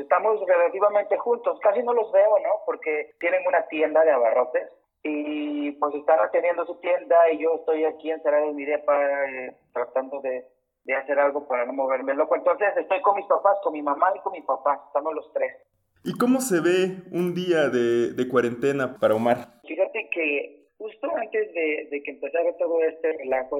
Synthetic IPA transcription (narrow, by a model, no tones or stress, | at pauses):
est̪amo̞sre̞lat̪iβamẽ̞nt̪e̞xunt̪o̞skasino̞lo̞zβe̞o̞no̞po̞ɾke̞t̪je̞ne̞nunat̪je̞nd̪aðe̞aβaro̞t̪e̞s | ipwe̞se̞st̪anat̪endje̞nd̪osut̪je̞nd̪aiʝo̞est̪o̞jakie̞nseɾaðoimiðepae | t̪ɾat̪and̪o̞ðe̞ | ðe̞ase̞ɾalɣo̞paɾano̞mo̞β̞e̞ɾmelo̞koent̪o̞nse̞se̞st̪o̞jko̞nmispapasko̞nmimamaiko̞nmispapasest̪amolo̞st̪ɾe̞s | iko̞mo̞se̞βeund̪iaðeðe̞kwaɾe̞nt̪e̞napaɾaomaɾfixat̪e̞ke̞ | xust̪o̞ant̪e̞zðe̞ðe̞keːmpe̞saɾat̪o̞ðo̞e̞st̪e̞relaxo